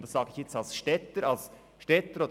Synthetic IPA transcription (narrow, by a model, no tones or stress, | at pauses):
d̥̪ɑsɑːɡəɪçjɛt͡stɑlsʃtɛt̪əɾɑls | ʃtɛt̪əɾod̪